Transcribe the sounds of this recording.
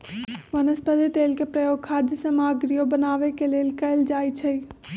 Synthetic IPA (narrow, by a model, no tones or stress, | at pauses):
ʋɐnəspəd̪it̪eːlkepɾɐjoːɡ̚kʰaːd̪jəsɐ̃maːɡɾijobɐnaːʋekeleːlkɐld͡ʒaːit͡ʃʰɐi